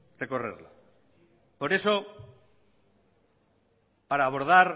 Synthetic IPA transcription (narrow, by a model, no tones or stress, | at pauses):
deko̞rḛɾla̰ | po̞ɾe̞so̞ | paɾaːβo̞ɾð̞aɾ